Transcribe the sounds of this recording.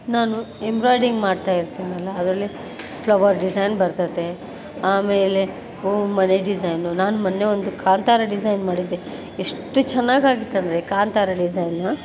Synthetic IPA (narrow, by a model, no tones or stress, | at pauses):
naːnuembɾoːjɖiŋɡmaːɖt̪aːjiɾt̪iːnɐlːɐːd̪ɾɐlːi | pʰlɐʋɐɾɖizɐjnbɐɾt̪ɐd̪e̞ | aːmeːle̞ | oːmɐneɖid͡ʒɐjnunaːnumɐnːe̞ond̪ukʰaːnt̪aːɾɐɖid͡ʒɐjnmaːɽid̪ːe | eʂʈːut͡ʃɛnːaːɡaːɡit̪ːɐnd̪ɐɾekaːnt̪aːɾɐɖid͡ʒɐjnɐ